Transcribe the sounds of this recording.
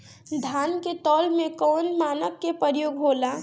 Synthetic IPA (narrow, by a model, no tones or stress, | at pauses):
d̪ʱanket̪ɔlmẽkɔːnmaːnəkːepəɾjoːɡɦola